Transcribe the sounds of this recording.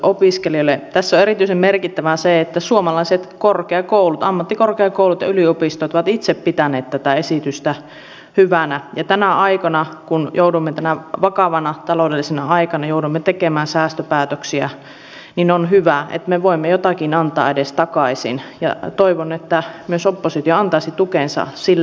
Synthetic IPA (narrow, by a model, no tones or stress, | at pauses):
ʔopiskeliolːet̪æsːoeɾit̪yisemmerkit̪ːæʋæseet̪ːæsuomɑlɑiset̪korkeɑkoulut̪ɑmːɑt̪ːikorkeɑkoˑuwlut̪jɑ̰yliopist̪ojt̪oʋɑt̪it̪seppit̪æneːt̪t̪æt̪æesit̪yst̪æ | hyʋænæjɑt̪ænæʔɑikɑnɑkunjʔoudumːet̪ænæʋɑkɑʋɑnɑt̪ɑloˑdelːisenɑɑikɑnɑjouɾuimːet̪ekemæːnsæːst̪øpæːt̪øksiæ | ninonɦyʋæḛt̪meʋoimːejot̪ɑkinɑnt̪ɑ̰edest̪ɑkɑisḭnjɑ̰t̪oiʋonet̪ːæmyøsopːosit̪ijoɑnt̪ɑisit̪ukensɑ̰silː